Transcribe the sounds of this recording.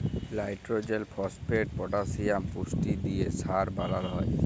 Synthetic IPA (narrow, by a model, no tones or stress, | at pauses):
lajʈɾod͡ʑelpʰɔspeʈ̚pɔʈasijampusʈid̪ijesaɾbalalɦɔe